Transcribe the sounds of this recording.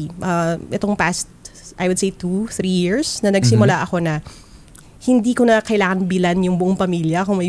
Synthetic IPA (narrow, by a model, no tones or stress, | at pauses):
ʔɐʔɛt̪oŋpast̪̚ʔɐjwʊd̪̚sejt̪uθɾijɪɹsnɐnɐɡsɪmʊlaʔɐko̞nɐ | hɪnd̪iːkonɐkɐɪlaːŋɐnbɪlanjʊŋbʊʔoŋpɐmiljɐkʊŋmɐ